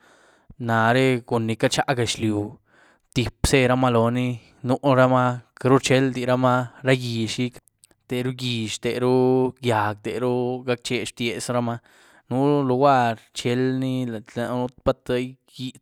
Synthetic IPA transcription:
na˨ɾe˦ɡu˨nːi˨ka˦t͡ʃa˦ɡa˨ʃlju˨ | t̪i˨pse˦ɾa˦ma˦lo˨ni˦ | nu˦ʔɾa˦ma˦kɾu˦t͡ʃe˦ld̪i˨ɾa˦ma˦ɾa˦ɡi˨ʃi˦k | t̪e˨ɾu˦ɡi˨ʃt̪e˨ɾu˦ɡja˨ɡ̚t̪e˨ɾu˦ɡa˦k̚t͡ʃe˧ʂt̪je˧˨sɾa˦ma˦ | nu˦lo˨˧wa˦ɾt͡ʃe˧˦lni˦a˨nu˦pa˦t̪a˦j | ɡi˦

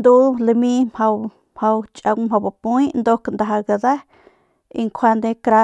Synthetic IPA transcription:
nd̪u˦le˧mĩ˦mha˧w | mha˧wt͡ʃʼa˧wmha˧wba˨pu˦i˦nd̪o˦knd̪a˨ɦa˧ɡa˧za˦ | ḭ˧ŋkʷʰwa˧nd̪e˧kɾa˧

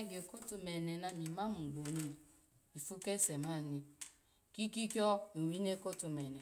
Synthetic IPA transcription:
ɡe˨ko˦tu˨me˨ne˨na˦ni˨ma˦m̩˨ɡ͡bo˨ni˦ | i˨fu˦ke˦se˨ma˦˨ni˨ | ki˦ki˦kɔ˦e˨wi˦ne˦ko˦tu˨me˨ne˨

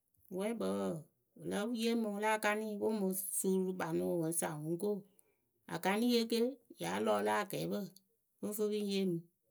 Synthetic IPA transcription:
wɛ˦ɓə˨˦ə˦˨ | ə˨lə˦je˦mɨ̃˧la˦˨ka˧nĩ˦˨wo˦mɨ̃˨˦suː˦ɾu˧ɓa˨nũ˨˦o˨mə̃˨˦sa˨ŋũ˨˦ko˦˨ | a̰˨ka˧nĩ˦je˦ke˦ja˨˦lɔː˦˧la˦a˨ɡɛː˨˦ɓə˦˨ | fə˦fə˦bi˦je˦mɨ̃˧

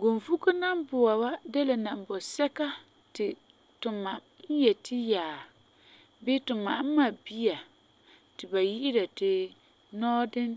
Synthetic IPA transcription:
ɡo˨nvu˦ku˦na˦mbʊ˨wa˨wa˦dɛ˦la˨na˨m˨bɔ˨sɛ˦ka˦ | tɪ˨ | tʊ˨ma˨ | n̩˦jɛ˨tɪ˦jaː˨ | bɪ˦tʊ˨ma˨˦m˦ma˨bi˦a˨ | tɪ˨ba˨ji˦ʔɪ˦ɾa˨tɪ˨ | nɔː˦dɪ˦n

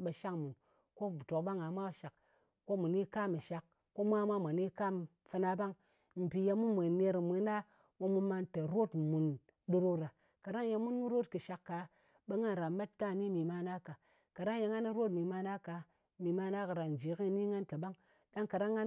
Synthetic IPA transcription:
ɓe˨ʃa˦kmu˨n | ko˦˨to˨kɓa˦ŋa˨˦mʷa˦ʃa˨kː | o˦mu˨ni˦ka˦mɨ˨ʃa˨kːo˦mʷ˦a˦mʷa˦mʷa˨ni˦ka˦m | fɨ˦na˧ba˦ŋ | m̩˨pi˨ja˧mu˦mʷe˨ne˧ɾmi˧˦na˦ | mo˦mu˦ma˧nta˨ɾo˦tmu˨n | ɗu˦ɾo˦ɾa˨ | ka˨ɾa˦ŋ˦je˧mu˦nmu˦ɾo˦tkɨ˨ʃa˨kːa˨ | ɓe˦ŋa˦n˨ɾa˨ma˦t̚ka˦˨ni˦mi˨ma˦na˦ka˨ | ka˨ɾa˦ŋje˧ŋa˦ni˦ɾo˦tmi˨ma˧na˦ka˨˦ | mi˨ma˧na˦kɨ˨ɾa˨n˨d͡ʒi˨˦ki˦˨˦ni˦ŋa˦nta˨ba˦ŋ | ɗa˦ŋka˨ɾa˦ŋːa˦

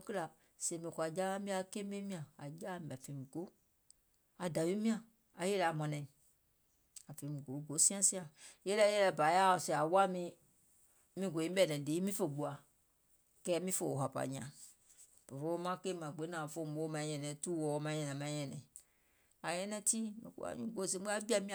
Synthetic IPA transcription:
kla˨ | se˨mĩ˨ko˨a˨d͡ʒa˦mĩ˦a˦ke˦e˦mĩ˦ã˨a˨d͡ʒa˦˨m˨a˨fe˨mĩ˨ɡo˦ | a˨da˨wi˦mĩ˦ã˨ | a˨je˦lɛ˨a˨mɔ̃˨nɛ̃˨ | a˨fe˨mĩ˨ɡo˨˦ɡo˨˦sĩ˦ã˦sĩ˦ã˨˦je˦lɛ˦jɛ˦lɛ˨ba˨ja˦˨sɛ˨a˨wa˦mĩ˦ | mĩ˦ɡo˨ĩ˦bɛ˨nɛ̃˨de˨˦mĩ˦fe˨ɡ͡bo˨a˨ | kɛ˦mĩ˦fo˨wo˨ɦa˨pa̰˨ɲ˨ã̰˨ | pe˨fo˦mã˦ke˦mã˨ɡ͡be˨˦nã˨fo˦˨m˨˦o˦mã˨˦ɲɛ˨nɛ̃˨tu˦wɔ˨˦mã˨˦ɲɛ̃˨nã˨mã˦ɲɛ̃˨nɛ̃˨ | a˨jɛ̃˦nɛ̃˦ti˦mɛ̰˨ko̰˦a̰˨˦ɲṵ̃˦ɡo˨˦˨s̬e˦a˦bi˦a˦mĩ˦˨

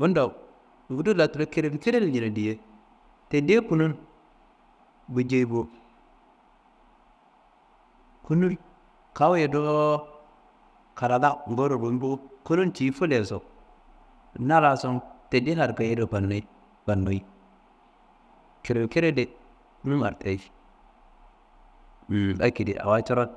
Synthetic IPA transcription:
bu˦ndo˨ | u˦du˦la˨tu˨lo˦ke˨ɾe˨bke˦ɾe˦le˨ɲi˨na˨di˨je˦ | te˨de˦ku˦nu˦n | bu˨d͡ʒe˨i˨bo˦ | ku˦nu˦ɾ | ka˦wje˨do˦ | ka˨ɾa˨da˦m˨bo˦ɾo˨ɾu˨m˦bo˦ku˦nu˦nt͡ʃi˨˦fu˦le˨so˨ | na˦ɾa˨so˦nte˨di˦na˨ɾka˨je˦do˨pa˨nːo˨i˦ | pa˨no˨i˦ | ki˨ɾe˨ki˦ɾe˦de˨ | ku˦nu˦a̰˨ɾte˨˦˨ | a̰˨ki˨dḭ˨a̰˨wa˦t͡ʃo˦ɾo˦t̚

